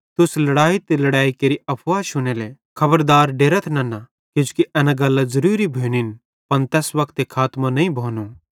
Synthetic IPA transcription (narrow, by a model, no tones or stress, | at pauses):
t̪ʊslɐɽaːit̪elɐɽaːikeːɾiɐpʰʋaːʃʊneːle | kʰɐbəɾd̪aːɾɖeːɾət̪ʰnɐna | kɪd͡ʒu̥kiʔɛːnãɡɐlːazɐɾuːɾibʱeːnin | pɐnt̪ɛːsʋɐkʰt̪ekʰaːt̪mãnɐĩbʱoːnu